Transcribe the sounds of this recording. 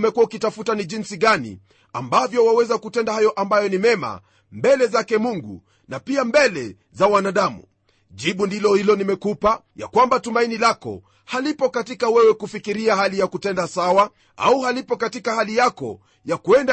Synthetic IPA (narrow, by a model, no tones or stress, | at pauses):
mɛkuwaukitafutaniʄinsiɠanḭ | a̰mbavjɔwawɛzakutɛndahajɔʔambajɔnimɛma̰ | mbɛlɛzakɛmuŋɡṵ | napiambɛlɛ | zawanaɗamṵ | ʄiɓundilɔhilɔnimɛkupa | ja̰kwambatumainilakɔ̰ | halipɔkatikawɛwɛkufikiɾiaɦalijakutɛndasawa | a̰uhalipɔkatikahalijakɔ̰ | jakuɛnda